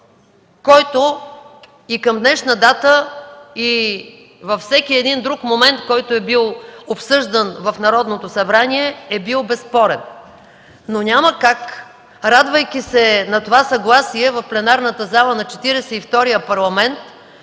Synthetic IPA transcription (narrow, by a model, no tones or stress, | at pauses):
kɔjt̪o | ikəmd̪nɛʃnəd̪at̪əi | vɐfsɛkiɛd̪ind̪ɾukmomɛnt̪kɔjt̪oɛbilˠopsɤʒd̪ənvɐfnɐɾɔd̪not̪osɐbɾaniɛɛbilˠbɛspɔɾɛnː | onʲaməkak | ɾad̪vəjkʲisɛnɐt̪ovasɐɡlˠasiɛvɐfplɛnaɾnət̪əzalˠənɐt͡ʃɛt̪iɾɛsɛift̪ɔɾijəpɐɾlˠɐmɛnt̪